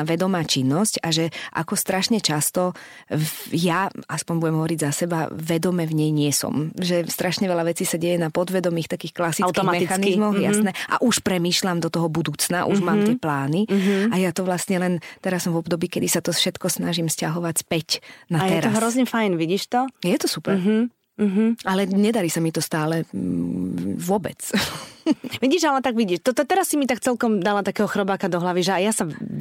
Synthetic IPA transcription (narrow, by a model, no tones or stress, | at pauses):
ʋɛd̪ɔmaːt͡ʃinːɔscaʒɛʔa̰kɔst̪ɾaʃɲɛt͡ʃast̪ɔ | jaaspɔɲbuɟɛmɦɔʋɔɾiɟzasɛba̰ʋɛd̪ɔmɛvɲɛjɲɪɛsɔ̰mʒɛst̪ɾaʃɲɛʋɛlaʋɛt͡siːsaɟɛjɛnapɔd̪ʋɛd̪ɔmiːxt̪akiːxklasit͡stk̪ɔmɛixanizmɔxjasnɛʔa̰ʔuʃpɾɛmiːʃlamd̪ɔt̪ɔɦɔbud̪uːt͡snaʔṵʒmaːmmt̪ɪɛɛplaːniɦajat̪ɔʋlast̪ɲɛlɛnt̪ɛɾasːɔmvɔbd̪ɔbiːkɛd̪isat̪ɔfʃɛt̪kɔsnaʒimscaɦɔʋacspɛcnat̪ɛɾɔaɦɾɔzɲɛfajnʋiɟiːʃt̪ɔjɛt̪ɔsupɛɾɦ̩ | ɦ̩ʔalɛɲɛd̪aɾisamit̪ɔst̪aːlɛ | ʋʊɔbɛ̰t͡s | ʋiɟiːʒalɛt̪aɡʋiɟiːʃt̪ɔt̪ɔt̪ɛɾasːimit̪ak̚t͡sɛlkɔmd̪alat̪akɛːɦɔxɾɔbaːkad̪ɔɦlaʋiʒɛajasa